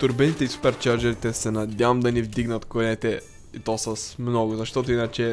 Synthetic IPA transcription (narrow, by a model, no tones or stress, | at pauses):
t̪uɾbɛnit̪ɛisu̥pɛɾt̪̚t͡ʃaɾd͡ʒɛɾit̪ɛsɛnɐd̪ʲjavɐmd̪ɐnivd̪iɡnɐt̪konɛt̪ɛ | it̪ɔsɐsmnɔɡʊzɐʃt̪ɔt̪oinɐt͡ʃɛ